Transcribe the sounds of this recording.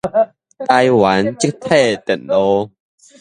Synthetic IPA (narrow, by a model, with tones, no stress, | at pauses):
t̪a˧jwa˨˦nt͡ɕi˥k̚t̪ʰɛ˥˧˨t̪ə̰˨˩˨nlo˧